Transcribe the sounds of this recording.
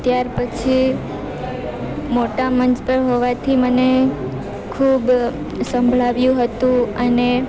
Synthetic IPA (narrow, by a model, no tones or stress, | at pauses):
t̪jaɾpət͡ʃʰi | moʈamənd͡ʒpəɾɦoʋat̪ʰiməne | kʰub | sə̃mbʱɭaʋjũɦət̪ũəne